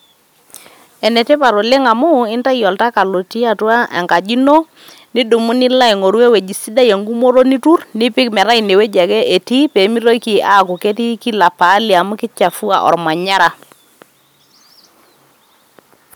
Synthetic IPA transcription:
ɛ˨nɛ˨tɛ˦pa˨ɾo˨lɛ˦ŋa˨mu˦ɪ˦nta˦jɔ˨lta˦ka˨lo˨ti˦a˦˨twa˦ʔɛ̰˨ŋka˨d͡ʒi˦no˦ | ni˦du˨mu˦nɪ˦la˦i˨ŋo˨ɾwe˦we˨d͡ʒi˨si˦da˦je˨ŋɡu˦mo˦ɾo˦ni˦tu˦rnɪ˦pɪ˦kmɛ˨ɾa˦i˨ne˨we˦d͡ʒa˨kɛ˦ʔe˨ti˦pe˨˦mi˦ɾo˦ki˨a˦˨ku˨ke˦ti˦ki˦la˨paː˨˦li˨a˨mʊ˦kɪ˦t͡ʃa˨fu˦a̰˨ʔɔ̰˨ɾma˨ɲa˦ɾa˨

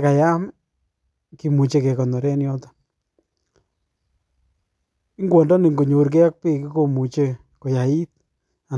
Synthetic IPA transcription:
ka˨ja˦m | ki˨mu˨t͡ʃe˦ke˨kɔ˨nɔ˨ɾɛ˦njɔ˦tḁ˦ | i˦ŋɡwɔ˨ndɔ˦ni˨ŋɡo˨ɲo˨ɾk̬ɛ˦a˦k̚pi˦ki˦ko˨mu˨t͡ʃe˦ | ko˨ja˨i˦t̚ | a˨

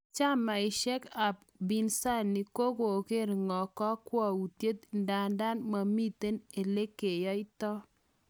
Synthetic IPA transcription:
t͡ʃa˦ma˨ɪ˨ʃɛ˦ka˨p̚ | bi˦nsa˦˨nːɪ˨ko˦ɡo˨kɪ˦ɾŋɔ˨kɔ˦kwɔ˦u˨tje˦t̪nda˨nda˦nma˨mi˦t̪e˦ne˨le˦ke˨jɔ˦ɪ˦tɔ˦

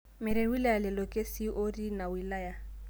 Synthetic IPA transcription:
mɪ˨ɾe˨wi˦la˦ja˨lɪ˨lɔ˨kʼe˦si˦ʔo˦di˦na˨wi˨la˦ja˦

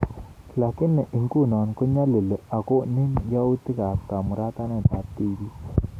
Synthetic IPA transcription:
la˨kɪ˦nːe˨ʔi˨ŋku˦˨nɔ˨nko˦ɲa˦lo˨lo˨a˨ko˦nɪ˦ŋja˦u˦t̪i˦ka˨pka˨mu˨ɾa˦t̪a˦nɛ˦˨da˨t̪ːi˦bi˦

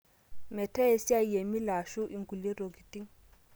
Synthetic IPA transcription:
mɛ˨tɛ˦e˦si˦a˦˨je˨mi˦la˨ʃu˦ʔi˦ŋɡu˨le˦ɾo˨ɡi˨ti˦ŋ

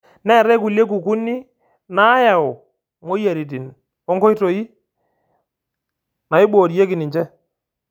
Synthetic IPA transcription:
nɛ˦˨ɾɛ˦k̬u˨lje˦k̬u˨ku˦ni˦ | na˨˦ja˨ʊ˨ | mo˦ja˨ɾi˨t̬i˨n | ɔ˦ŋkɔ˦i˦to˨i˦ | na˨ɪ˦ɓoː˨ɾi˨je˦kɪ˨nɪ˨ɲt͡ʃɛ˦

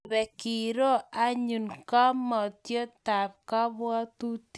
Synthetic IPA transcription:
βɛ˨ki˨ɾo˦a˦ɲu˨nka˦mɔ˨tjo˦ta˨p̚ka˦βwɔ˦tu˦t

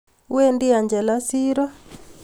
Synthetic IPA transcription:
we˦ndi˦a˨nd͡ʒɛ˨la˦siː˦ɾɔ˦

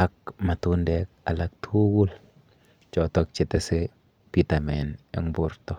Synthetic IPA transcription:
a˦k̚ma˨tu˦ndɛk̚a˨lak̚tʰu˦ɡu˦l | t͡ʃɔ˨tɔk̚t͡ʃɛ˨tɛse˦ | pitamɛ˨nɛ̰˨ŋburtɔ˦

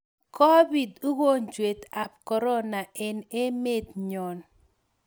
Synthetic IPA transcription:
kɔ˦bi˨du˦ɡo˦ɲd͡ʒwe˨t̪a˨p̚kɔ˨ɾɔ˦na˨ɛ˨ne˦me˦˨t̪̚ɲɔ˨n

